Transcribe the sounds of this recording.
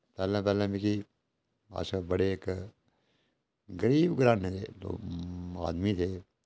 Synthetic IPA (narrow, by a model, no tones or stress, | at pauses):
pɛːlãpɛːlẽmiki | a̰ːsabɐɽeːk | ɡəɾiːbɡɾaːnɦẽt̪ʰḛːlo̰ːa̰ːd̪mit̪ʰeː